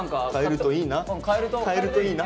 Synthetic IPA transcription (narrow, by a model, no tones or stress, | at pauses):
ŋkakaeɾɯ̟t̪oiːnãkʰaeɾɯt̪okʰaeɾɯ̟t̪oiːna